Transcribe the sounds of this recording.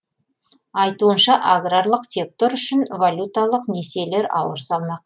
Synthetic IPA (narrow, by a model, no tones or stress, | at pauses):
ɑjt̪uənʃɑʔaɡraɾlˠəqsʲe̞k̚t̪o̞ɾʏʃɪnvalʲut̪alˠəqne̞se̞le̞ɾɑ̰wəɾsɑlˠmɑq̚